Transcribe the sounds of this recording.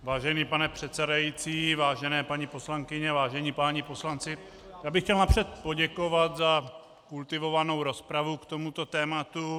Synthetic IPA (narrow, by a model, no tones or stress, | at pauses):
vaːʒɛniːpanɛpr̥ɛt̪sɛdajiːt͡siːvaːʒɛnɛːpaɲipo̞slaŋkɪɲɛvaːʒɛɲiːpaːɲipo̞slant͡sɪ | jaːbɪxcɛlnapr̥ɛt̪̚po̞ɟɛko̞vat̪za | kult̪ɪvo̞vano̞wɾo̞spɾavukt̪o̞mut̪o̞t̪ɛːmat̪u